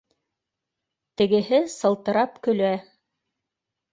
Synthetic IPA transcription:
t̪ɘ̆ɡɘ̆ɦɘsɤ̆lˠt̪ɤ̆ɾɑpkɵ̆læ

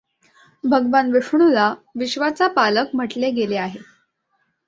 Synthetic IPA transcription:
bʱəɡʋanʋiʂɳulaʋiɕʋat͡sapaləkm̤əʈleɡeleaɦe

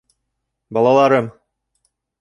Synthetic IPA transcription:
bɒlˠɑlˠɑɾɤm

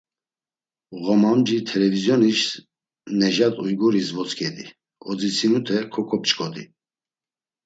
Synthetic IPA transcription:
ɣɔmamd͡ʒit̪ʰɛlɛvizjɔniʃ | nɛʒat̪ʼujɡuɾisvɔt͡skʰʼɛd̪i | ɔd͡zit͡sʰinut̪ʰɛkʰɔkʰɔp̚t͡ʃʼkʼɔd̪ḭ

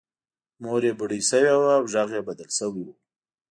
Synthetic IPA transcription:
moɾjebəɽisəwewaːwʒaɣjebad̪alsəwiwu

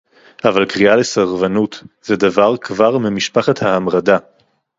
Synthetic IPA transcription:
ʔavalkʁialesaʁvanutz̥edavaʁkvaʁmemiʃpaχathaamʁada

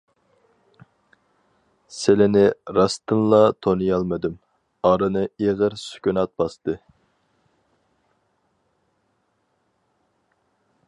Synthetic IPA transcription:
sɪlɪnɪɾɑst̪ɨnlˠɑt̪ʰonɨjɑlˠmɨd̪ym | ɑɾɨnɨeʁəɾsy̥kʲynɑt̪̚bɑst̪ɨ

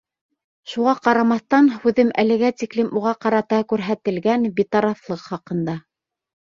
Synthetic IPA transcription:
ʃuʁɑqɑɾɑmɑθt̪ɑnhʉðɘmʔælɘ̆ɡæt̪iklɘmuʁɑqɑɾɑt̪ɑkʉɾɦæt̪ɘ̆lɡænbit̪ɑɾɑflˠɤqχɑqɤ̆nd̪ɑ

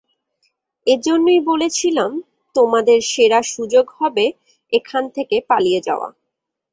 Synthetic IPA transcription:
ed͡ʑonːojbolet͡ɕʰilam | t̪omad̪eɾʃeɾaʃud͡ʑoɡhɔbe | ekʰant̪ʰekepalijed͡ʑa̰oa̰

